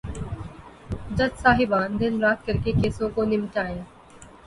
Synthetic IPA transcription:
d͡ʒət̪saːɦɪbãːnd̪ɪnɾaːt̪̚kəɾkekeːsõkonɪmʈaːjãː

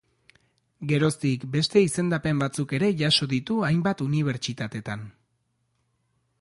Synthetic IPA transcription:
ɡe̞ɾo̞st̪ikbe̞st̪e̞ise̞nd̪ape̞mbat͡suke̞ɾe̞ʝaso̞ðit̪uajmbat̪uniβ̞e̞ɾt͡ʃit̪at̪e̞t̪an

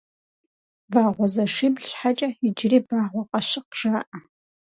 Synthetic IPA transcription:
vaːʁʷɔzɐʂibɮɕħat͡ʃʼɐid͡ʒriːbaːʁʷɔqʼɐʃɪqʒ̥aːʔɐ

